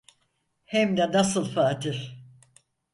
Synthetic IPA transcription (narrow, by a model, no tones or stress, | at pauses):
hɛmd̪ɛnasɯlˠfaːt̪ʰiɾ̥